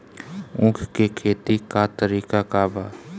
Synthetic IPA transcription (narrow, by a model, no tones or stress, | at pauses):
ʊ̃kʰkekʰeːt̪ikat̪əɾiːkakaːbaː